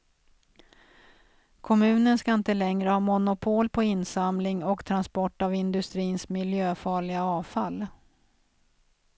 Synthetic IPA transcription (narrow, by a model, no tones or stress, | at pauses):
kʰɔmʉ̟ːnənskaɪnt̪əlɛŋɾəhɑːmʊnʊpʰoːlpʰɔɪnːsamlɪŋɔkt̪ʰɾanspɔʈːavɪnd̪ɵst̪ɾiːnsmɪljøːfɑːɭɪɡaɑːvfalː